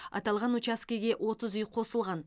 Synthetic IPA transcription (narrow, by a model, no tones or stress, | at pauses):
ɑ̰t̪ɑlˠʁɑnut͡ʃaskʲijɡʲe̞ʔwʔo̞t̪əzʏjqʰo̞səlˠʁɑn